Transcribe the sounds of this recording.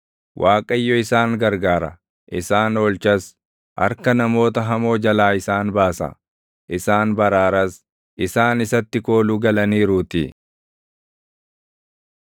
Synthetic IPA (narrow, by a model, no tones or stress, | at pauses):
wʔaːkʼɐjːɔɪsaːŋɡɐɾɡaːɾɐ | ʔɪsaːnoːlt͡ʃɐs | ʔɐ̰ɾkɐnɐmo̞ːt̪ɐɦɐmo̞ːd͡ʒɐlaːɪsaːnbaːsɐ̰ | ʔɪsaːnbɐɾaːɾɐs | ʔɪsaːnɪsɐt̪ːɪko̞ːluːɡɐlɐniːɾuːt̪ḭ